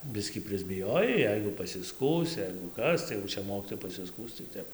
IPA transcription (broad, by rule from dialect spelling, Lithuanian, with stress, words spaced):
ˈbʲɪsʲkʲiː pʲrʲɪzʲbʲɪˈjoːjɛɪ ˈjɛɪɡʊ pɐsʲɪˈskuːs ˈjɛɪɡʊ ˈkɐs tɐɪ jɛʊ ˈt͡ʃʲɛ ˈmoːkʲiːtoːjɛɪ pɐsʲɪˈskuːs tɐɪ ˈtʲɛp